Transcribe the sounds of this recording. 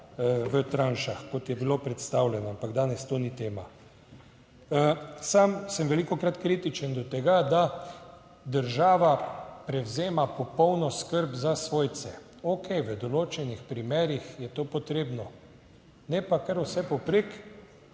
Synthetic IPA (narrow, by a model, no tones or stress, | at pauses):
ʋət̪ɾanʃaxkɔt̪jɛbilopɾɛt̪st̪awlʲjɛnɔampaɡd̪aːnɛst̪oːnit̪eːma | samsəmʋɛlikɔkɾat̪kɾit̪it͡ʃənd̪ɔt̪ɛɡad̪a | d̪əɾʒaːʋapɾɛwzeːmapɔpɔwnɔskəɾbzasʋoːjt̪sɛ | okʰɛjʋəd̪ɔloːt͡ʃɛnixpɾimeːɾixjɛt̪oːpɔt̪ɾeːbnɔ | nɛpakəɾusɛpɔpɾek